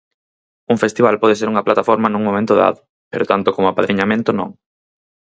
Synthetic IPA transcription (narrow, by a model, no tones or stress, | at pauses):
uŋfest̪iβalpɔð̞eseɾuŋɐplat̪afɔɾmɐnũŋmõmẽnt̪ʊða̰ðʊ | peɾot̪ant̪okomʊapaðɾiɲamẽnt̪ʊnõ̰ŋ